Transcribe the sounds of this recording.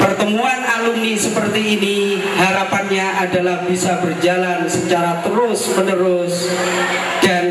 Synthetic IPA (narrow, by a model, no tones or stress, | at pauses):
pərt̪əmuanalumnisəpərt̪iːni | ɦaɾapanɲaʔadalahbisabərd͡ʒalansət͡ʃaɾat̪əɾʊsmənəɾʊs | d̥an